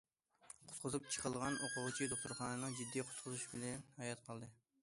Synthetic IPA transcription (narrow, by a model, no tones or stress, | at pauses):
qʰʊ̥t̪qʰʊzup̚t͡ʃʰə̥qʰəlˠʁɑnʔoqʊʁt͡ʃʰid̪oχt̪uɾχɑːnɨnɨŋd͡ʒid̪ːijqʰʊ̥t̪̚qʰʊzuʃbɪlɛnhɑjɑt̪̚qʰɑlˠd̪ɨ